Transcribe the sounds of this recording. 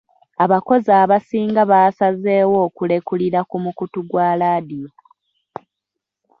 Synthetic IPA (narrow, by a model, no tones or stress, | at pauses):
aβako̞zaːβasiːŋɡaβaːsaze̞ːwo̞ːkule̞kuliɾakumukutuɡwaːlaːdijo